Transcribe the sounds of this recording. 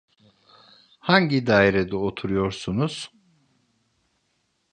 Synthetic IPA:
haɲɟid̪aːjiɾɛd̪ɛot̪ʰuɾujo̞ɾsunuz̥

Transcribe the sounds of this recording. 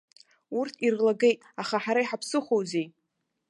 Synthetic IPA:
urtʰirlaɡe̞jtʼaχaħaɾaiħapʰsɨχowzej

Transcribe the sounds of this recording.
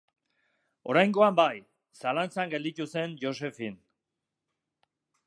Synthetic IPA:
o̞ɾajŋɡo̞ambaj | salant͡saŋɡe̞ld̪it̪use̞nd͡ʒo̞s̬e̞fin

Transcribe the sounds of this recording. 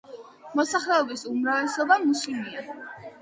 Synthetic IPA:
mɔsaχlɛɔbisumɾavɛsɔbamuslimia

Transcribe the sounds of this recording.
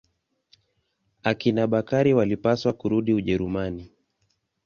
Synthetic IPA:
akinaɓakaɾiwalipaswakuɾuɗiuʄɛɾumani

